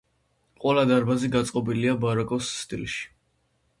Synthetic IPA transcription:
qʼwɛlad̪aɾbaziɡat̪sʼqʼɔbiliabaɾakʼɔsːt̪ʼḭlˠʃi̥

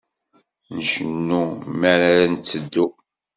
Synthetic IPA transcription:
nəʃənːumæɾaɾænt͡sːəd̪ːu

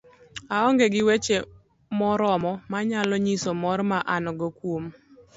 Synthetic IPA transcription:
aɔŋɡeɡɪwet͡ʃe | mɔɾɔmɔmaɲalɔɲisɔmɔrmaʔanɔɡɔkwom

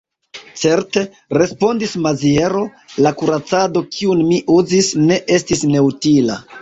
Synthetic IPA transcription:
t͡se̞ɾte̞ | ɾe̞spo̞ndismazie̞ɾo̞ | lakuɾat͡sado̞kʰiunmiʔuzisne̞ʔe̞stisne̞utila̰

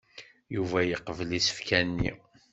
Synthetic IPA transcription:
juvæjəqəvlisə̥fkʰænːḭ

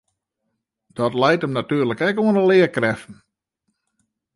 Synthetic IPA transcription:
d̥ɔtlɛjtəmnatyːəɾləkɛkuənəlɪəkrɛfn̩

